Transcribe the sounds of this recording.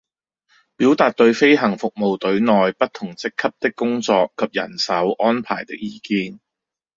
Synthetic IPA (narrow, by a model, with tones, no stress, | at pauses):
piː˨˥wt̪aː˨t̚t̪ɵ˧ɥfe˥jɦɐ˨˩ŋfʊ˨k̚mo˨wt̪ɵ˨˥ɥnɔː˨jpɐ˥t̚t̪ʰʊ˨˩ŋt͡sɪ˥kʰːɐ˥p̚t̪ɪ˥kːʊ˥ŋt͡sɔː˧kʰːɐ˨p̚jɐ̰˨˩nsɐ˨˥wʔɔː˥npʰa̰ː˨˩jt̪ɪ˥k̚jiː˨˧kiː˧n